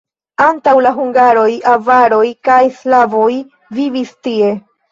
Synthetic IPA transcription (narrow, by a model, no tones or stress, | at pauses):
antawlaɦuŋɡaɾo̞javaɾo̞jkajslavo̞j | vivistie̞